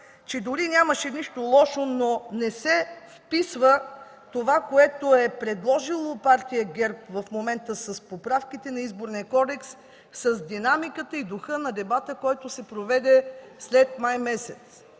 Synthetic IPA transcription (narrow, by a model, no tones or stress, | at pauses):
t͡ʃɛd̪ʊɾinʲaməʃɛniʃt̪olˠɔʃononɛsɛfpisvə | t̪ovakoɛt̪oɛpɾɛd̪lˠɔʒilˠopaɾt̪ijəɡɛɾpvɐfmomɛnt̪əsəspopɾafkit̪ɛnɐizboɾniɐkɔd̪ɛks | sɐzd̪inamikət̪əid̪oxɤnɐd̪ɛbat̪əkɔjt̪osɛpɾovɛd̪ɛslɛt̪majmɛsɛt̪s